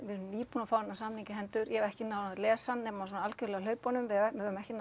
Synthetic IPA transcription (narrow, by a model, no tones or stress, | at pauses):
vɪliːpuːnafaːwɛnːasamniɲcɪɦɛnt̪ʏɾjɛɛɛhcɪnaːwnalɛːsannːɛːmas̬ɔnaalcʏlɛɣalœːɥpɔnʏmvɪɪɾʏmɛhcɪn